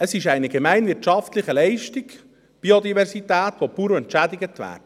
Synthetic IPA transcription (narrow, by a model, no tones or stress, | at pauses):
əsɪʃɛɪnəɡɛmæɪnʋɪɾtʃɑftlɪχəlɛɪʃtɪɡ | b̥iod̪ivɛɾsitæːtʋopuːɾəɛntt͡ʃæd̪ɪɡətʋæ̰ːdə